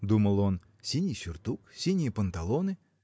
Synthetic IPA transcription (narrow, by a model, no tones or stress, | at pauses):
d̪umɐlˠɔn | sʲinʲijsʲʊrt̪uksʲinʲipɐnt̪ɐlˠɔnɪ